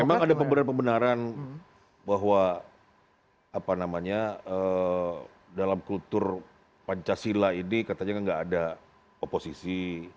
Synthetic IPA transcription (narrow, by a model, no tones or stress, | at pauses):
memaŋŋadapəmbənanpəmbənaɾan | baɦwa | apanamaɲaə | dalamkult̪ʊr | paɲt͡ʃasilainikat̪aɲakaŋɡaːda | oposisi